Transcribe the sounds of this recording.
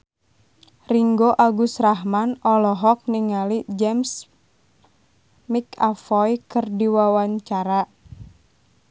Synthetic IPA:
riŋɡoʔaɡusraɦmanɔlɔɦɔk̚niŋalid͡ʒɛms | mikafɔjkɨrdiwawaɲt͡ʃaɾa

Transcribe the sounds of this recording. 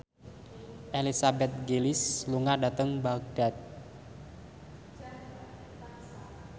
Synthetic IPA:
ʔelisabɛt̪̚ɡelɪsluŋadat̪əŋbaɡ̚d̥a̤t̪̚

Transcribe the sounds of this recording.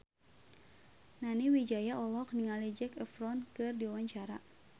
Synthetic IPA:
naniwid͡ʒajaʔɔlɔkniŋalid͡ʒɛkɛfɾɔnkɨrdiwawaɲt͡ʃaɾa̰

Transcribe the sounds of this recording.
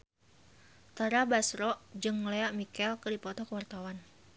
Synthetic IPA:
t̪aɾabasɾɔʔd͡ʒɨŋleaʔmikɛlkɨrdipɔt̪ɔkəwart̪awan

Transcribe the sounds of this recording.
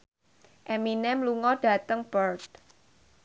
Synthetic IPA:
ʔɛminɛmluŋɔɖ̥ä̤t̪əŋb̥ərt̚

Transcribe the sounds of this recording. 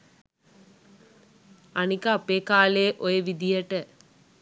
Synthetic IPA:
ɐnikaːpeːkaːleːʔojɐʋid̪ijəʈə

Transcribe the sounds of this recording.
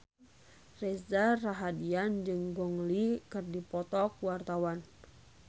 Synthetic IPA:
rɛsdaraɦadiand͡ʒɨŋɡɔŋlikɨrdipɔt̪ɔk̚wart̪awan

